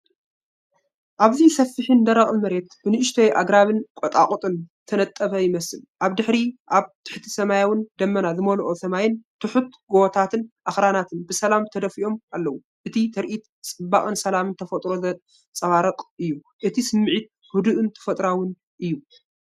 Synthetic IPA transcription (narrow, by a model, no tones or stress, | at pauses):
ʔaβzisɐfːɨħɨnd̪ɐɾɐχʼlmɐɾe̞t̪̚b̥ɨnɨʔɪʃt̪ʰɐjʔaɡɾaβɨnkʼɔt̪ʼaqʼut̪ʼɨnt̪ʰɐnɐt̪ʼːɐβɐjɪmɐsɨlʔaβd̪ɨħɾiʔaβt̪ʰɨ̥ħt̪ʰisɐmajawɨnd̪ɐmːɐnazɨmɐlʔosɐmajɪnt̪ʰɨħut̪̚ɡot̪ʰat̪ʰɨnʔaxɾanat̪ʰɨnbɨsɐlamt̪ʰɐd̪ɐfiʔo̞malːɐwu | ʔɨt̪ʰit̪ʰɐɾʔit̪ | t͡sʼɨbːakʼɨnsɐlamɨnt̪ʰɐfɐt̪ʼɾo̞zɐ | t͡sʼɐβaɾɐqʼɨjːu | ʔɨt̪ʰisɨmːɨʕit̪̚ | hud̪uʔɨnt̪ʰɐ̥fɐt̪ʼɾawɨn | ʔɨjːu